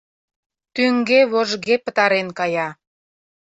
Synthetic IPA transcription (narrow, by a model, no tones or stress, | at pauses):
t̪yŋɡeβoʒɣepə̆t̪ɑɾenkɑjɑ